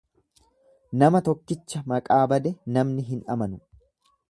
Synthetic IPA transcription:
nɐmɐt̪ɔkːɪt͡ʃːɐmɐkʼaːbɐd̪ɛnɐmnɪɦɪnʔɐmɐnʊ

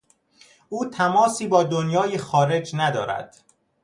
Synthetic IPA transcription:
ʔuːt̪ʰæmɒːsiːbɒːd̪onjɒːjexɒːɾe̞d͡ʒnæd̪ɒ̰ːɾæ̰d̪̥

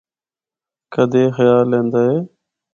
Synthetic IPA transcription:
kəd̪ʱeːxəjaːlːẽːnd̪aːɦeː

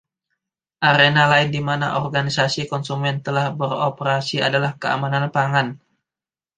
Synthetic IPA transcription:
ʔaɾenalaɪndimanaʔɔrɡanisasikɔnsumɛnt̪əlahbəropəɾasia̰dalahkəa̰mananpaŋan

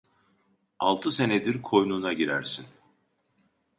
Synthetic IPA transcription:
a̰lˠt̪ʰɯse̞ned̪iɾkʰo̞jnuːnaɟiɾæɾsin

